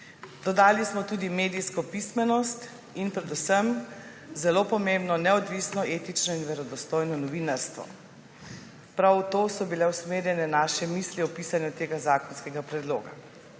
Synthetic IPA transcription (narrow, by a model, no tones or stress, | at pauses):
d̪̥ɔd̪aːlismɔt̪uːd̪imeːd̪ijskɔpismɛnɔst̪ | inpɾɛd̪usəm | zɛlopɔmembnɔnɛɔd̪ʋisnɔʔeːt̪it͡ʃnɔinʋɛɾɔd̪ɔst̪oːjnɔnɔʋiːnaɾst̪ʋɔ̰ | pɾawt̪oːsɔbilɛwsmeːɾjɛnɛnaːʃɛmiːsliɔpiːsanjut̪eːɡazaːkɔnskɛɡapɾɛd̪lo̰ːɡa̰